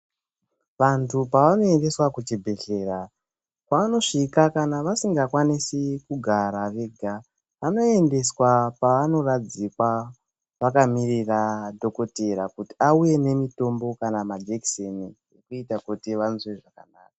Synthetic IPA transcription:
ʋantʰupaʋano̞e̞nde̞swakut͡ʃebʱe̞ɬe̞ra | kaʋano̞ʂikakanaʋasiŋɡakwanisikuɡʱaɾaʋe̞ɡʱa | ʋano̞ende̞swapaʋano̞rad͡zikwa | ʋakamiriradʱo̞ko̞teɾakuti̥auje̞ne̞mito̞mbo̞kanamad͡ʒeksenijekuitakutiʋanzweʐakanaːkḁ

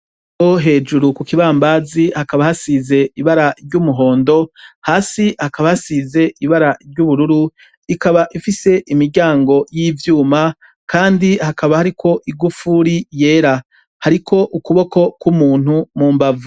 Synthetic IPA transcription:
oɦe̞ːd͡ʒuɾukukiβaːmbaːzihakaβahasize̞iβaɾaʔiɾɟumuɦo̞ːndo̞haːsihakaβahasize̞iβaɾaiɾɟuβuɾuɾu | ikaβaʔifise̞ʔimiɾɟaːŋɡo̞jiːvjuːma | kʰaːndihakaβahaɾikʰo̞ʔiɡufuɾije̞ːɾa | haɾikʰo̞ʔukuβo̞ko̞kwumuːn̥humuːmbavu

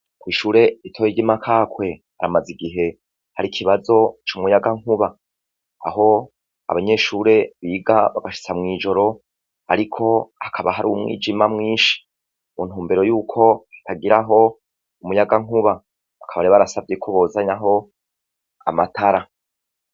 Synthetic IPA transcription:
kwiːʃuːɾe̞itʰoːjiɟimakʰaːkwe̞ | aɾamaziɡiɦe̞ | haɾikʰiβazo̞t͡ʃumŋujaɡaŋ̥uβa | aɦo̞ | a̰βaɲe̞ʃuːɾe̞βiːɡaβaɡaʃi̥t͡samŋiːd͡ʒo̞ɾo̞ | a̰ɾikʰo̞akʰaβaɦaɾṵumŋḭːd͡ʒimamŋiːʃi̥ | mun̥huːmbe̞ɾo̞juːkʰo̞ḁtaɡiɾaɦo̞ | umujaɡaŋuβa | βakʰaβaɾeβaɾasavɟekʰo̞βo̞ːzaɲaɦo̞ | a̰matʰaɾa

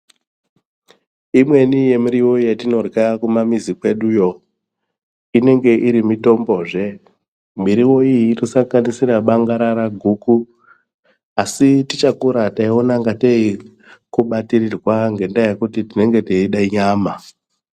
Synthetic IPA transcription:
imwe̞nije̞miɾiwo̞jatino̞rɡakumamizikwe̞ɗujo̞ | ine̞ŋɡe̞ʔiɾimito̞mbo̞ʐe̞ | miɾiwo̞ijiːrosaŋɡanisiɾaɓaŋɡaɾaɾaɡʱuːku | asitit͡ʃakuɾataio̞naŋɡatei | kuɓatirirwaŋɡe̞ndajekutitine̞ŋɡe̞teiɗaiɲaːma

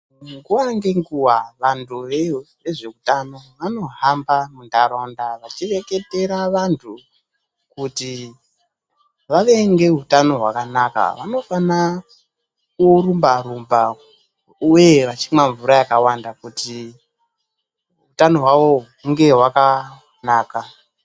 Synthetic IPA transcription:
ŋɡuwaŋɡe̞ŋɡuwaʋantʰuʋeʋeʐe̞utano̞ʋano̞ɦambamundaɾondaʋat͡ʃire̞ke̞te̞ɾaʋantʰu | kuti | ʋaʋe̞ŋɡe̞ɦutano̞ɦwa̰kanaka̰ʋa̰no̞fana | kurumbaɾumba | uje̞ʋat͡ʃimwaɱvuɾajakawandakuti | ɦutano̞ɦwaʋo̞ | uŋɡe̞ɦwaka | naːka

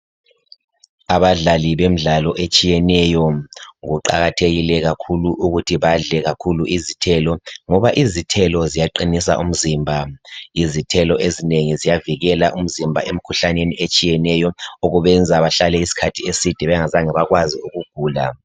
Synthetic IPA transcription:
aβaɮaliβem̩ɮalɔʔet͡ʃʼijɛnɛjɔuǃa̰ɣatʰeɣilɛɣakʰuluʔuɣutʰiβaɮɛɣakʰuluʔizitʰɛlɔŋɔβaʔizitʰɛlɔzijaǃinis̬a̰ʔum̩zimbʱaizitʰɛlɔʔezineŋizijaviɣɛlaʔum̩zimbʱa̰ʔem̩kʰuɬaneniʔet͡ʃʼijɛnɛjɔoɣuβɛnd͡zʱaβaɬalɛisi̥kʰatʰiesid̥ʱɛβɛŋazaŋaβaɣwaziuɣuɡ̥ʱuːla

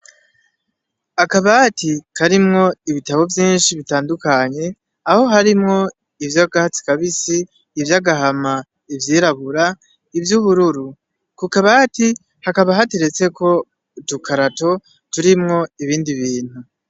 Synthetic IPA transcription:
akaβatikʰaɾimŋo̞iβitaβo̞vjiːnʃiβitaːndukaɲe̞ | aho̞ɦaɾimŋo̞ | ivjaɡahat͡si̥kaβisiː | vjaɡaɦama | ivjiːɾaβuɾa | ivjuβuɾuɾu | kukaβati | hakaβaɦatiɾe̞t͡se̞ko̞ | tukʰaɾato̞ | tuɾimŋo̞iβiːndiβiːn̥hu

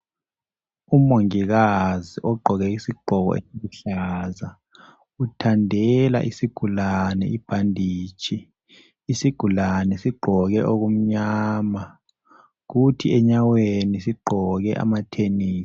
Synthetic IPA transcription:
umoŋiɣaziʔɔɡ͡ǃʱɔɣɛisiɡ͡ǃʱɔɣɔ̰ḛsiɣuɬaːza | utʰandʱɛla̰ʔisiɡ̥ʱulanɛ̰ib̥ʱandʱiːt͡ʃʰʼiː | siɡ̥ʱulanɛsiɡ͡ǃʱɔɣɛʔoɣ̬um̩ɲaːma | ɣutʰiɛɲawenisiɡ͡ǃʱɔɣɛʔa̰matʰeni̥ː

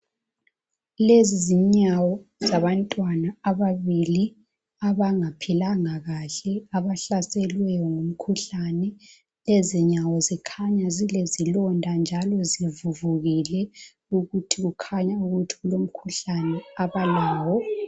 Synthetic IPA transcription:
leziziɲawɔzaβantʼwanaːβaβili | aβaŋapʰilaŋaɣaɬɛaβaɬasɛlwɛjɔŋum̩kʰuɬanɛ | leziɲawɔzikʰaɲazilezilɔndʱand͡ʒʱalɔzivuvuɣilɛ | uɣutʰiɣukʰaɲauɣutʰi̥ɣulom̩kʰuɬanɛaβalaːwɔ

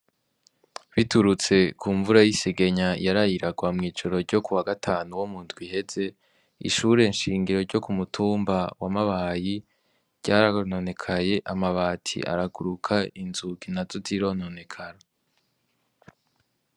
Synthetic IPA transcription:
βituɾut͡se̞kuːɱvuɾajiseɡeɲajaɾajiɾaɡwamŋiːd͡ʒoɾo̞ɾɟokuwaɡatʰaːnuwomuntɡwihe̞ze̞ | ḭʃuːɾe̞nʃiːŋɡiɾo̞ɾɟo̞kumutʰuːmbawamaβaji | ɾɟaːɾaono̞ne̞kʰaje̞ʔamaβaːtʰḭʔa̰ɾaɡuɾukʰainzuɡinazotiɾo̞no̞ne̞kʰaɾa

